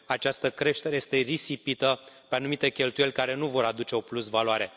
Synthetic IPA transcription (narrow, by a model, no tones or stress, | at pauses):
at͡ʃast̪əkɾe̞ʃt̪e̞ɾeje̞st̪e̞risipit̪əpeanumit̪e̞kʲe̞lt̪ujelʲkaɾe̞nuvo̞ɾad̪ut͡ʃe̞o̞plusvaloaɾe̞